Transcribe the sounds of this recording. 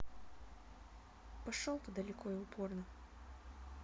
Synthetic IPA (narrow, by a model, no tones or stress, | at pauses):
pɐʂɔlˠt̪ɐd̪ɐlʲikʰɔiupʰɔrnɐ